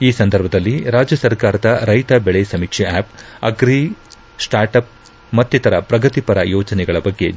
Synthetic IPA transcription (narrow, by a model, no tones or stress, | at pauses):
iːsɐnd̪ɐɾbʱɐd̪ɐlːiɾaːd͡ʒjɐsɐɾkaːɾɐd̪ɐɾɐjt̪ɐbɛɭesɐmiːkʂɛaːp̚ɐɡɾi | sʈaːɾʈɐp̚ | mɐt̪ːit̪ɐɾɐpɾɐɡɐt̪ipɐɾɐ̰jɔːd͡ʒɐnɛɡɐɭɐbɐɡːe̞